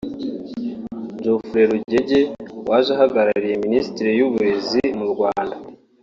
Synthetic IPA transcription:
d͡ʒofuɾe̞ɾuɟe̞ɟe̞wʔaːʒaɦaɡaɾaɾije̞ministiɾejuβuɾe̞zimuɾɡwaːnda

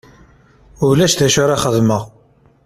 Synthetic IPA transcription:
ʊlæʃθæʃʊɾaχəðməʁ

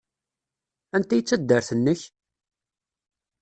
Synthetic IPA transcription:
ænt̪æjət͡sːæd̪ːəɾθənːəç

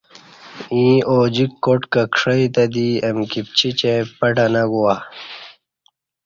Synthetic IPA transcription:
ĩːoːd͡ʑikːoʈkɐkʂɐit̪ɐd̪iɐmkip̚t͡ɕʰit͡ɕepɐʈɐnɐɡuwa

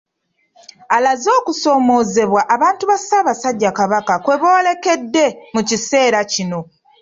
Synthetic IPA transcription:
alazo̞ːkuso̞ːmo̞ːze̞βwaʔaβaːntuβasaːβasaɟːakaβakakwe̞βo̞ːle̞ke̞dːe̞mucise̞ːɾacino̞

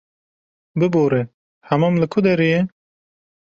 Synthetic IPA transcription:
bɨboːɾe | hɐmamlɨkʰʊd̪ɐɾije

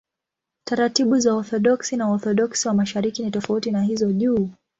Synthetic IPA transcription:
taɾatiɓuzaɔθɔɗɔksinaɔθɔɗɔksiwamaʃaɾikinitɔfautinahizɔʄuː

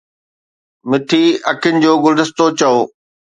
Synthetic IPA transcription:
mɪt̪ʰiɐkʰɪnɪ̆d͡ʑoːɡʊld̪ɪst̪ot͡ɕɐoː

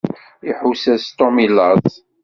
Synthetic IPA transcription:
iħusæst̪omilːəðˤ

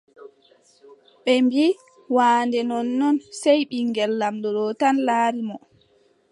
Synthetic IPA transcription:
ɓɛmbiː | waːndɛnɔnːɔnsɛjɓiŋɡɛlːamdɔɗɔtanlaːɾimɔ

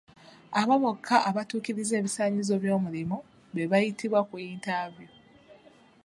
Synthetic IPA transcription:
aβaβokʰːaʔaβatuːkiɾize̞ːβisaːɲizo̞βjo̞ːmulimu | βe̞βajitiβwakuiːntavju

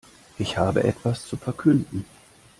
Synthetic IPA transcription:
ʔɪçhaːbə̰ʔɛ̰tv̥ast͡sufɛɐkʰʏndn̩

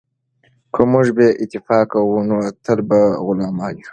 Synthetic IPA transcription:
kʰəmuʒbeʔɪt̪ɪfɑkawunot̪əlbaɣʊlɑmɑji

